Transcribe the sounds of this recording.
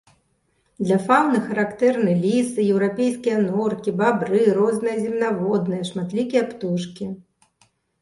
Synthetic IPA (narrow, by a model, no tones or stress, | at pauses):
d̪lʲɐfawnɨxɐɾakt̪ɛrnɨlʲisɨjɛwɾapʲejskʲijɐnɔrkʲibabɾɨɾɔznɨjɐzʲimnavɔd̪nɨjɐʂmat̪lʲikʲijɐpt̪uʂkʲi